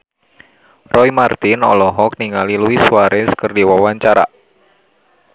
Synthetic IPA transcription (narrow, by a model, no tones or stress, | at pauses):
rʔɔimart̪inɔ̰lɔɦɔk̚niŋaliluisuaɾɛskərdiwawaɲt͡ʃaɾa̰